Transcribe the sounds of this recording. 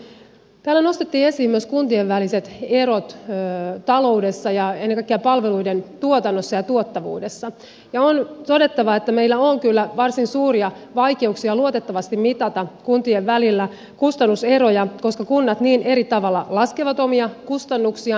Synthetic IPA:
t̪æːlːæno̞st̪et̪ːiːesiːmmyøskunt̪ieʋʋæliset̪e̞ɾot̪ːt̪ɑlo̞ude̞sːɑjɑenːekɑikːeɑpɑlʋe̞luident̪uot̪ɑnːosːɑjɑt̪uot̪ːɑʋṵːde̞sːɑ | jɑont̪o̞de̞t̪ːɑʋɑet̪ːæmeilːæoːŋkylːæʋɑrsinsuːriɑ | ʋɑike̞uksiɑluot̪et̪ːɑʋɑst̪immit̪ɑt̪ɑkunt̪ieʋʋælilːæ | kust̪ɑnːuse̞ɾojɑko̞skɑkunːɑt̪niːnʔe̞ɾit̪ɑʋɑlːɑlɑskeʋɑt̪omiɑkust̪ɑnːuksiɑ

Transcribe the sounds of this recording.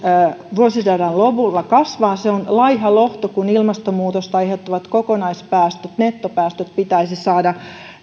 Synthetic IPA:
ʋuosisærɑnlopulːɑkɑsʋɑːseonlɑihɑloht̪okunilmɑst̪omuːt̪ost̪ɑiheout̪ːɑʋɑt̪kokonɑispæːst̪øt̪net̪ːopæːst̪øt̪̚pit̪æisisɑːdɑ

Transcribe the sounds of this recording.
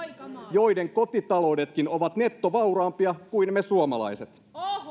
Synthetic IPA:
jo̞jde̞ŋko̞t̪it̪ɑlo̞ːde̞t̪kino̞ʋɑt̪ne̞t̪ːoʋɑwɾɑːmpiɑkuinmesuomɑlɑ̰jset̪

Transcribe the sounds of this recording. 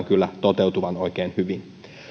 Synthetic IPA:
ŋkylːæt̪ot̪ewt̪uʋɑnoik̟eːnhyʋin

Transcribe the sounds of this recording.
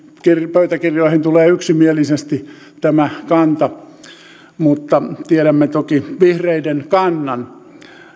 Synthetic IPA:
kirpøyt̪ækirjoˑihint̪uleːyksimielisest̪i | t̪æmækɑnt̪ɑ | mut̪ːɑt̪ieɾæmːet̪okiʋihreidenkɑnːɑn

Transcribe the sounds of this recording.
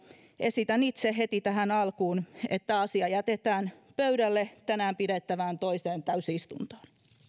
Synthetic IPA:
esit̪ænit̪seɦet̪it̪æɦænɑlkuːnḛt̪ːæɑsiɑjæt̪et̪æːnpøɥdælːet̪ænæːmpidet̪ːæʋæːnt̪oiseːnt̪æysist̪ṵnt̪o̥ːn

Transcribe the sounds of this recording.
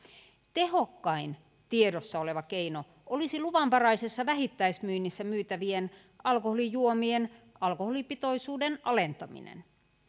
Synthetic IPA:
t̪ehokːɑin | t̪iedosːɑoleʋɑkeino | ʔolisiluʋɑmpɑrɑisesːɑʋæɦit̪ːæismyːnːisːæmyːt̪æʋien | ɑlkoholijuomien | ɑlkoholipit̪oisuːdenʔɑlent̪ɑmḭnḛn

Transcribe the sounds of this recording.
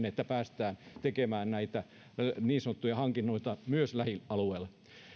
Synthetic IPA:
net̪ːæpæːst̪æːnt̪ekemæːnnæit̪æ | niːnsɑnot̪ːujɑhɑŋkinːoit̪ɑmyøslæhiɑlueːl

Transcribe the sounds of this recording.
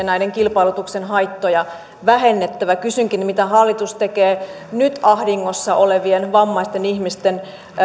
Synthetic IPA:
næideŋkilpɑilut̪uksenɦɑjt̪ːojɑ | ʋæɦenːet̪ːæʋækysyŋkinmit̪æhɑlːit̪ust̪ekeː | nyt̪ɑhdiŋːosːɑʔoleʋienʋɑmːɑist̪enihmist̪en

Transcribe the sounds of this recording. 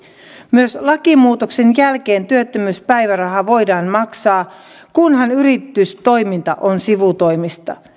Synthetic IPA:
myøslɑkimuːt̪okse̞njælke̞ːnt̪yøt̪ːømyspæjʋæɾɑɦɑʋo̞jdɑːnmɑksɑː | kunɦɑnyɾit̪ːˑyst̪o̞jmint̪ɑ̰ʔonsiʋut̪o̞jmist̪ɑ̰

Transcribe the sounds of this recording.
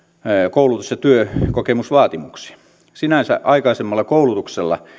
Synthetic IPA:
koulut̪usjɑt̪yøkokemusʋɑːt̪imuksi̥ | sinæsæ̰ʔɑikɑisemːɑlːˑɑkoulut̪ukselːɑ̰

